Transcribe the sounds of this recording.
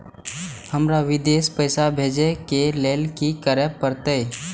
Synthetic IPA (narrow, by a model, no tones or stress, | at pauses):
həmɾaʋɪd̪eːspəɪsabʱeːd͡ʒekeleːlkikəɾəpəɾt̪ej